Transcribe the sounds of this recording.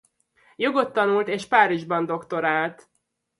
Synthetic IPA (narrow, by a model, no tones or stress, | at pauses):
joɡo̞t̪ːɒnult̪eːʃpaːɾiʒbɒnd̪o̞kt̪o̞ɾaːlt̪